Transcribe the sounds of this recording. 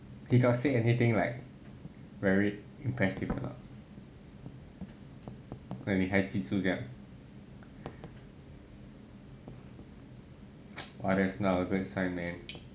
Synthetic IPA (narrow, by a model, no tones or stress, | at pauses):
hikɔtseɛnit̪ɪ̃ŋlaɪk̚ | vɛɹi | ĩmpʰɹɛsifə̰nɔ̰t | wɛ̃niɦad̚titud͡ʒɛ̃ŋ | wadɛsnaəɡʊd̚sãɪnmɛ̃n